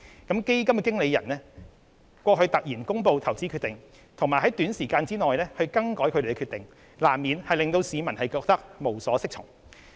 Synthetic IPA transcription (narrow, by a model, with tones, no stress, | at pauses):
kɐ˨˥mke˥jkɐ˥mkɛ˨kɪ˥ŋle˨˧jɐ˨˩nlɛː˥ | kʷɔː˧kʰɵ˨˧ɥt̪ɐ˨k̚jiː˨˩nkʊ˥ŋpo˨˧wt̪ʰɐ˨˩wt͡siː˨˥kʰyː˧t̪ɪ˨ŋ | t̪ʰʊ˨ŋmaː˨˩jɦɐ˨˥jt̪yː˨˥nsiː˨˩kaː˧nt͡siː˥ŋɔː˨jlɛː˥hɵ˧ɥkɐ˥ŋkɔː˨˥jkʰɵ˧d̪e˨˩˧ɛkʰyː˧t̪ɪ˨˩ŋ | laː˨˩mːiː˨nhɐ˨jlɪ˨ŋt̪o˧wsiː˨˧mɐ˨˩nhɐ˨jkɔː˧k̚t̪ɐ˥k̚mo˨˩wsɔː˨˥sɪ˥k̚t͡ʃʰʊ˨˩ŋ